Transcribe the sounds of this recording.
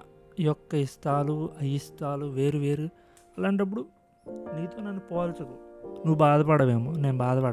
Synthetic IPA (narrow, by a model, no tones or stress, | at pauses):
jɔkːɐist̪ʰaːluɐjist̪ʰaːluʋe̞ːɾuʋeːɾu | ɐlaːɳʈɐp̬ːuɽu | niːt̪oːnɐnːupoːlt͡ʃɐkoːnuʋubaːd̪ɐpɐɽɐʋeːmone̞ːnubaːd̪ɐpɐɽ